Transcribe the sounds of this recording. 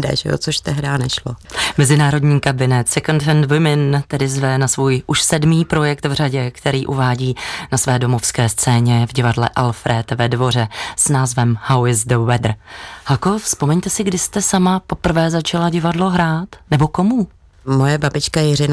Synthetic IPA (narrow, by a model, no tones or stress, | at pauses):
dɛ̰ʒɛ̰o̰t͡soʃt̪ɛɦdaːnɛʃlomɛzɪnaːɾo̞dɲiːkabɪnɛt̪sɛkond̪ɛnd̪vɪmɪnt̪ɛdɪzvɛnasvuːjʔuʃsɛdmiːpɾo̞jɛkt̪vr̝aɟɛkt̪ɛɾiːʔuvaːɟiːnasvɛːdo̞mo̞fskɛːst͡sɛːɲɛvɟɪvadlɛ̰ʔalfɾɛt̪vɛdvo̞r̝ɛsnaːzvɛmhawɪzdoɛd̪r̩halkofspomɛɲt̪ɛsɪɡdɪst̪ɛsamapo̞pr̩vɛːzat͡ʃalaɟɪvadloɦɾaːt̪nɛbo̞ko̞mu | mojɛbabɪt͡ʃkajɪrɪn